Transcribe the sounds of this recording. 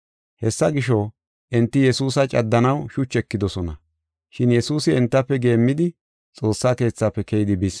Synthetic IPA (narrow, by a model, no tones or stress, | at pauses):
hɛsːɐɡɪʃɔ | ʔɪnt̪ːɪjɛsuːsɐt͡ʃʼɐd̪ːɐnɐwʃʊt͡ʃːɛkːɪd̪ɔsɔnɐ | ʃɪnjɛsuːsɪɛnt̪ːɐpːɛɡe̞ːmːɪd̪ɪ | t͡sʼo̞ːsːaːke̞ːt͡sːaːpːɛkɛjɪd̪ɪbɪs